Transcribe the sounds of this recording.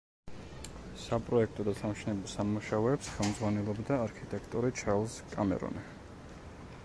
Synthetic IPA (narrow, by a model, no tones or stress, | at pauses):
sapʼɾɔɛk̚ʰt̪ʼɔd̪asamʃinɛbɔsamuʃaɔɛpsχɛlˠmd̪zʁwanɛlˠɔbd̪aːɾkʰit̪ʼɛkʰt̪ʼɔɾit͡ʃʰaɾlˠskʼamɛ̰ɾɔ̰ni